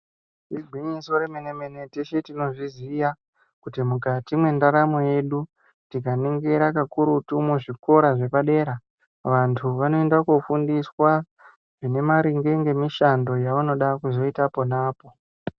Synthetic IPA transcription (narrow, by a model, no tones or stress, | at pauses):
riɡʱiɲisoɾemenemeneteʃetino̞ʐizija | kutimukatimwe̞ndaɾamoje̞ɗu | tik̬aniŋɡe̞ɾakakuɾutumuʐiko̞ɾaʐe̞paɗe̞ːɾa | ʋantʰuʋano̞endakufundiswa | ʐine̞maɾiŋɡe̞ŋɡe̞miʃando̞jauno̞ɗakuzo̞itaponaːpo̞